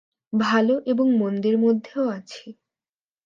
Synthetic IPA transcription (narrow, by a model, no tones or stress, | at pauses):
bʱaloʔeboŋmond̪iɾmod̪ʱːeoat͡ɕʰe